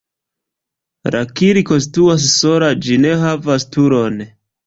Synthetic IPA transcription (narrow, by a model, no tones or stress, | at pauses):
ɾʔa̰kiɾiko̞ns̬tuas̬so̞ɾad͡ʒine̞ɦavastuɾon